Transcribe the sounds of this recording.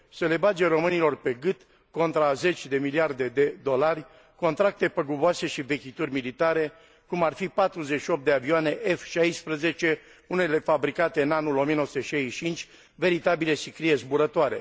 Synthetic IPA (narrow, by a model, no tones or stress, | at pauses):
sele̞bad͡ʒeɾo̞mɨnilo̞rpe̞ɡɨt̪ | ko̞nt̪ɾaze̞t͡ʃʲd̪e̞miliard̪e̞d̪e̞d̪o̞larʲ | ko̞nt̪ɾak̚t̪e̞pəɡuboase̞ʃive̞kʲit̪urʲmilit̪aɾe̞ | kumarfipat̪ɾuzeʃio̞p̚t̪e̞avioane̞ʔefʃajspɾəze̞t͡ʃe̞ | une̞le̞fabɾikat̪e̞ɨnanulo̞mijenowsu̥t̪eʃajt͡ʃint͡ʃʲ | ve̞ɾit̪abile̞sikɾije̞zbuɾət̪oaɾe̞̰